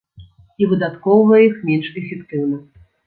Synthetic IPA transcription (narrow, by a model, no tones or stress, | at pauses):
ivɨd̪at̪kɔwvɐjixmʲɛnʂɛfʲɛkt̪ɨwnɐ